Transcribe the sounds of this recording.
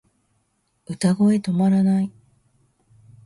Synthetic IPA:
ɯ̟t̪aɡo̞e̞t̪o̞maɾanai

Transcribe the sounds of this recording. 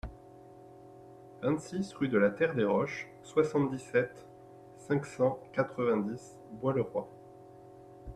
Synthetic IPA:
vɛ̃t̪sisʁyd̪əlat̪ɛʁd̪eʁɔʃ | swasɑ̃t̪̚d̪isɛt̪ | sɛ̃ksɑ̃kat̪χəvɛ̃d̪is | bwaləʁwa

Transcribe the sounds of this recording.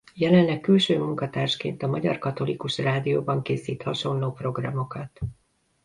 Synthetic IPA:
jɛlɛnlɛkːylʃøːmuŋkɒt̪aːrʃkḛːnt̪ɒmɒɟɒ̰rkɒt̪o̞likuʃraːd̪ijoːbɒŋkeːsiːt̪hɒʃo̞nloːpro̞ɡrɒmo̞kɒt̪

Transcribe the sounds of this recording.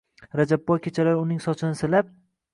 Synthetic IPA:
ɾad͡ʒabːɒjkʲʰet͡ʃʰalajʊnɪŋsɒt͡ʃʰɪnɪsɪlap̚

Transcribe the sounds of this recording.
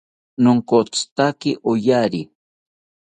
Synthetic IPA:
noŋkot͡st̪akɪʔojaɾi

